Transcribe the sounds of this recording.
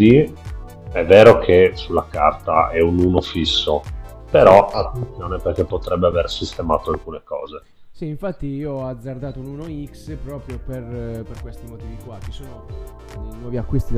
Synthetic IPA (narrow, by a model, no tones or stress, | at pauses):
i | ɛvːeːɾokʰesulːaka̰rt̪a̰ɛunuːnofisːo | peɾɔʔat̪ːent̪θjoːneperk̟epːot̪ɾɛbːeaversist̪ema̰ːt̪oalkuːnekɔ̰ːze | siiɱfat̪ːiiːoad̪zːard̪aːt̪oununoikspɾɔːpɾjoperperkwest̪imot̪iːvikwat͡ʃːi̥soːno | nwɔːviakːwist̪i